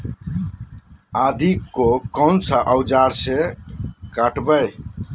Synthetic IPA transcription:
aːd̪ʱikːokənsaʔəʊd͡ʒaːɾse | kaʈbəj

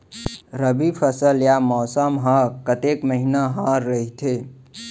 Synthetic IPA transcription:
ɾəbipʰəsəljamɔːsəmɦãɾkət̪ekməɦinaɦãɾːəɦit̪ʰe

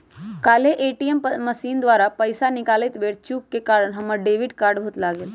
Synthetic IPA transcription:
kaːleʔeʈiemməsiːnd̪ʋaːɾapəjsanɪkaːlet̪ʋeɽt͡ʃuːkːekaːɾəɽɦəməɾɖeʋiɖkaːɾɖbʱuːt̪laːɡeːl

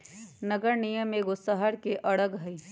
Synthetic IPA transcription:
nəɡəɾnijəmeɡosəɦəɾkeʔɐɽəɡɦɐi

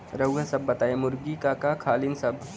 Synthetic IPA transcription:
ɾəwɡəsɐbːɐt̪ajemuɾɡiːkakakʰaːlinsɐb

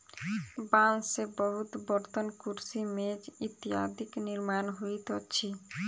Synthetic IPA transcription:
bansebɔɦut̪bɔɾt̪onkuɾsimed͡ʑit̪iɦa̰d̪ʱikniɾmanɦojt̪oːɕʰi

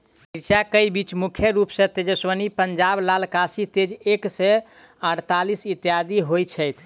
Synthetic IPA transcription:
iɾt͡ʃakəjbit͡ʃmukʰjəɾupsẽt̪ed͡ʒəswənipənd͡ʒablalkasit̪ed͡ʒeksɛ | əɽt̪alisit̪jad̪iɦojt͡ʃʰəjt̪ʰ

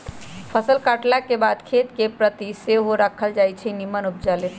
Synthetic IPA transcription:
pʰəsəlkaʈlakebad̪kʰet̪kepɾət̪iseɦoɾakʰəld͡ʒajt͡ʃʰɛnimənup̚d͡ʒalet̪

